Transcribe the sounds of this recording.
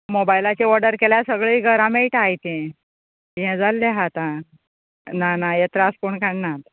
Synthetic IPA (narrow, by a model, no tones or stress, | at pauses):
mobajlat͡ɕeʋəɽəɾkeljasəɡɭiːɡʱəɾãmeiʈajt̪ẽ | ɦɛ̃d͡zalːeɦat̪ã | nanajet̪ɾaskuɳkaɳnat̪